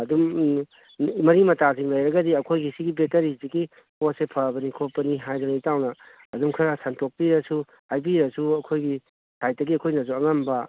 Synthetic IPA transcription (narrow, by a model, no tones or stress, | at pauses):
ɐdum | mɐɾimɐtasiŋlɐjɾɐɡɐdiɐkʰojɡisiɡibetɐɾiziɡi | posepʰɐbɐnikʰopːɐniɦajdɐnijtawnɐ | ɐdumkʰɐɾɐsɐntok̚piɾɐsu | ajbiɾɐsuɐkʰojɡi | saj̚tdɐɡiɐkʰojnɐs̬uɐŋɐmbɐ